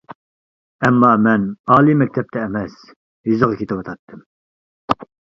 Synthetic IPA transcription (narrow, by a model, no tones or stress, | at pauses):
ɛmːɑːmɛnɑːlˠimɛk̚ʲt̪ʰɛp̚t̪ʰɛːmɛs | jyzɨʁɑkʲʰet̪ʰɪwɑt̪ʰɑt̪ʰːɨm